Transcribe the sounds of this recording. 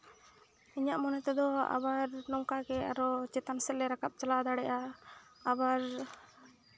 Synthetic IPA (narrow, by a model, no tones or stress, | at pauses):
iɲaʔmɔnɛt̪ɛd̪ɔa̰baɾnɔmkakɛaɾɔt͡ʃɛt̪ansɛlːɛɾakap̚t͡ʃalad̪aɽɛʔaː | baɾ